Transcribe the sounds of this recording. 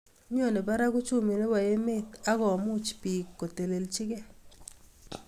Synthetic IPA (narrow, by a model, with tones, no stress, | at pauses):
ɲ˦o˦˨ne˨ba˦ɾa˦ɡʊ˦t͡ʃu˦mi˨ɾe˦wa˨je˦me˦ka˦ɡɔ˨a˨mʊ˦t͡ʃpi˨kːo˨te˨le˨lt͡ʃɪ˦ɡɛ˦